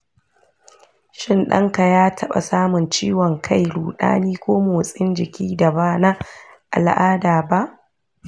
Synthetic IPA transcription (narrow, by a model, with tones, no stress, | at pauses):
ʃɪ˦nɗɐ̰˦ŋka˨jaː˦tʰɐ˦ɓa̰˨saː˦mʊ˨nt͡ʃiː˦wɔ˨ŋkʰa˦˨jɽuː˨ɗa̰ː˦niː˦kʷoː˦moː˨sʼɪ˦nd͡ʒɪ˨kʲiː˦da˨baː˦na˦ | ʔa̰˨lʔaː˦daː˨ba˦ʔ